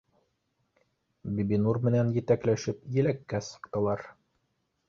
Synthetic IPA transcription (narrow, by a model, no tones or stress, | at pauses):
bibinurmɘ̆nænjɘ̆t̪æklæʃɘpjɘ̆lækːæsɤ̥̆qt̪ɑ̆lˠɑɾ